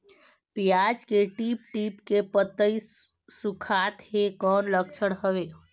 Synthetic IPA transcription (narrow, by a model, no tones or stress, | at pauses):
pijad͡ʒkeʈiːpʈiːpkepət̪ːəi | sukʰaːt̪hekɔːnləkt͡ʃʰəɽɦəʋeː